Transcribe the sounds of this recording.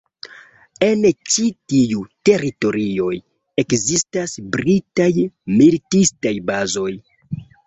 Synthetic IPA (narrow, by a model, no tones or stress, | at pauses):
e̞nt͡ʃitijute̞ɾito̞ɾio̞j | e̞kzistasbɾitajmilitistajbazo̞j